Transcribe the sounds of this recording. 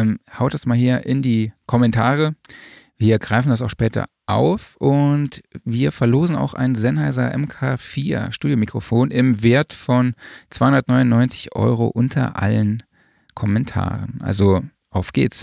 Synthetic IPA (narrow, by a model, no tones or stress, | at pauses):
ɛmhaʊtd̥asmaːlhiːɐʔɪndiːkʰɔmɛntʰaːʁə | viːɐɡʁaɪfn̩das̬aʊxʃpɛːtɐ̰ | ʔaʊfʔʊntviːɐfɛɐloːzn̩a̰ʊxʔa̰ɪnzɛnhaɪzɐ̰ʔɛ̰mkʰaːfiːɐʃtuːdjomikʁ̥ofoːnʔɪmveːɐtfɔnt͡sv̥aɪhʊndɐtnɔʏnʊnːɔʏnt͡sɪ̥çʔɔ̰ʏʁo̰ʔʊntʰɐ̰ʔa̰lən | kʰɔmɛntʰa̰ːʁənʔa̰lzo | ʔaʊfɡ̥ḛːts